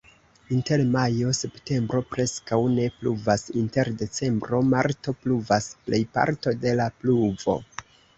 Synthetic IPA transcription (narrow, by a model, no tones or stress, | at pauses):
inte̞ɾmajo̞se̞pte̞mbɾo̞pɾe̞skawne̞pluvasinte̞ɾde̞t͡se̞mbɾo̞maɾto̞pluvasple̞jpa̰ɾto̞de̞lapluvo̞̰